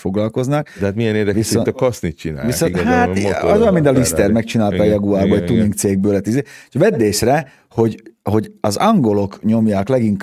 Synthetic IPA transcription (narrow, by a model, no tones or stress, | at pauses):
fo̞ɡlɒlko̞znɒk̚d̥̪ɛɦaːt̪miɛneːrd̪ɛvisont̪kɒsnit̪t͡ʃina̰ːvisonhaoɒzomint̪ɒlist̪ɛrmɛkt͡ʃinaːlt̪ɒːjɒɡuaːbɒɛt̪uniŋkt̪seːɡ̚bøːlɛt̪izeːʃvɛd̪ːeːʃrɛ | ho̞ɟho̞ɟɒzɒŋɡo̞lo̞kɲo̞mjaːklɛɡiŋk